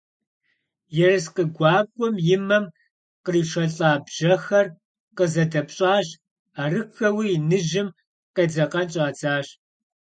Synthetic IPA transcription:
jɛrɨsqəɡʷɑːkʷʼɔmjɪmɐm | qəriːʂɐɬʼaːbʒ̥ɐxɐr | qəzɐdɐpɕʼaːɕ | aːrɨxɐwiːnɨʒɪm | qed͡zɐqɐnt͡ʃʼaːt͡saːɕ

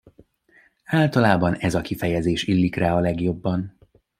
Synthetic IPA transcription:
aːlt̪ɒlaːbɒnɛzɒkifɛjɛzeːʃilːikraːɒlɛɡjo̞bːɒn

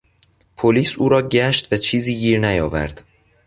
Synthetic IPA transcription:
pʰoliːsuːɾɒːɟæʃt̪væt͡ʃʰiːziːɡiːɾnæjɒːvæ̰ɾd̪̥

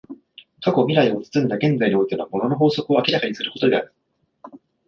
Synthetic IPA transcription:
kako̞mʲiɾaio̞t͡sɨ̥t͡sɨ̃nd̪aɡẽ̞nd͡zaiɲio̞it̪enaamo̞no̞no̞ɦo̞ːso̞kɯ̟o̞akʲiɾakaɲ̟isɨɾɯ̟ko̞t̪o̞d̪e̞a̰ɾɯ̟

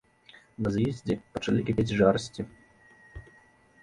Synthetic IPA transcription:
nɐzjɛzʲd͡zʲɛpɐt͡ʂɐlʲikʲapʲed͡zʲʐaɾɐsʲt͡sʲi

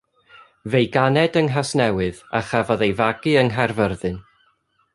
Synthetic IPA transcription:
vejɡanɛdəŋɦasnɛwɨðaχavɔðejvaɡɨəŋɦɛrvərðɨn

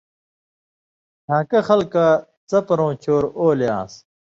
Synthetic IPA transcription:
tʰãːkɐxɐlka | t͡sɐpɐɾõːt͡ɕʰoːɾoːljã̰ːs

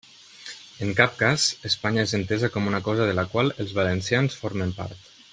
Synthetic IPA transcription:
əŋkap̚kaz̥əspaɲaezənt̪ezakɔmunakɔzəðəlakwaləlˠzβalənsjansfɔɾməmpa̰ɾt̪

